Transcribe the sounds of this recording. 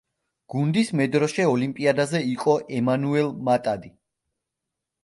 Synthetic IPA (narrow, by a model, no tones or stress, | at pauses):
ɡ̥und̪ismɛd̪ɾɔʃɛɔlimpʼiad̪azɛiqʼɔʔɛmanuɛlmat̪ʼad̪i